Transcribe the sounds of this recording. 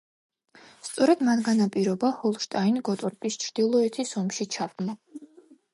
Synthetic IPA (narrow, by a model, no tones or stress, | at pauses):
st̪sʼɔɾad̪manɡanapʼiɾɔbahɔlˠʃt̪ʼainɡɔt̪ʼɔɾpʼist͡ʃʰɾd̪̥ilˠɔɛt̪ʰisɔmʃit͡ʃʰavd̪ma